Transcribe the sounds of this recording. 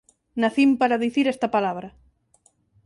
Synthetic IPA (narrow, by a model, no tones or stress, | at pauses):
naθimpaɾaðiθiɾɛst̪apalaβɾɐ